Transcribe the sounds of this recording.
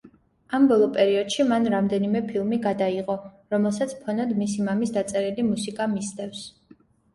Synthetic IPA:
ambɔlˠɔpʼɛɾiɔd̪̥ʃimanɾamd̪ɛnimɛpʰilˠmiɡad̪aiʁɔ | ɾɔmɛlˠsat̪sʰpʰɔnɔd̪misimamisd̪at̪sʼɛɾilimusikʼamisd̪ɛfs

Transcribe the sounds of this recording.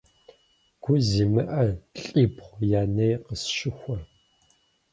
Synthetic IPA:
ɡ̥ʷʊziːmɨʔɐɬʼiːpχʷjaːnejqəsʃɪxʷɐ

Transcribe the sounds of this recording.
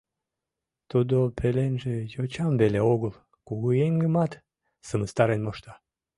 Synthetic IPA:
t̪ud̪opʰelenʒejot͡ɕɑmbeleoɣəl | kuɣueŋɡəmɑt̪ | səməst̪ɑɾenmoʃt̪ɑ

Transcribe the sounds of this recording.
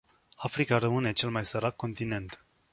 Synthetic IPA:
afɾikaɾəmɨne̞t͡ʃe̞lmajsəɾakːo̞nt̪ine̞nt̪

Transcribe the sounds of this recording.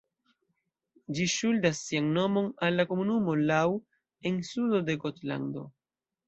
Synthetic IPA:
d͡ʒiʃuldasːianno̞mo̞nalːako̞munumo̞law | e̞nsudo̞de̞ɡotla̰ndo̞̰

